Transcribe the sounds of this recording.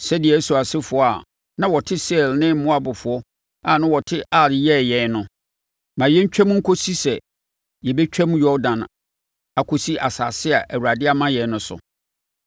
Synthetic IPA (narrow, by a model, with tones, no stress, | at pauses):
sɛ˦dɪ˨ɛ˨˦su˨a˨sɪ˦fʊ˨˦a˨ | nã˦wɔ˨tʰɪ˦sɛ˦˨lnɪ̃˦m̩˦mʊ̃˦a˦bʊ˨fʊ˨ɔ˦ | a˨nã˦wɔ˨tʰɪ˦ʔa˦˨ɾɪ˨jɛ˦˨jɛ˨˦nʊ̃˨ | mã˨jɛ˦ɲ̩˦t͡ɕᶣɛ̃˦m˦ŋ̩˦kʰo˦si˦sɛ˨ | jɛ˨bɛ˦t͡ɕᶣɛ˦mjɔ˦dã˨n | a˨kʰo˦si˦ʔa˨saː˨sɪ˦a˨ʔæ˨wu˨ɾa˨dɪ˦a˦mã˦jɛ˨˦nʊ̃˨sʊ̰˨